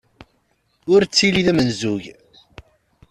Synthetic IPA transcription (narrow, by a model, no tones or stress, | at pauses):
ʊɾt͡sːiliðæmənzuʝ